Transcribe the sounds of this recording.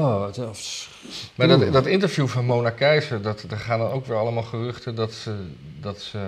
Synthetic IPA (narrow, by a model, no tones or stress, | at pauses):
of | madtdɑtɪntəɹvjuːvɑnmownakɛjsədɑtdəχaːndɑnowkʋɪɹɑləmaːlˠχərɵχtədɑtsədɑtsə